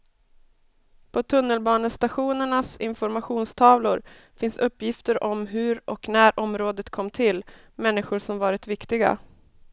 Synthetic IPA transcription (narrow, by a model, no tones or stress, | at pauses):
pʰɔt̪ʰɵnːəlbɑːnəst̪aɧuːnəɳasɪ̰nfɔɾmaɧuːnst̪ʰɑːvlʊɾ | fɪnsɵpːjɪft̪əɾʔɔmɦɵɾʔɔknæːɾʔɔmɾoːd̪ət̪kʰɔmːt̪ʰɪl | mɛnːɪɧʊʂɔmvɑːɾɪt̪vɪkt̪ɪɡa̰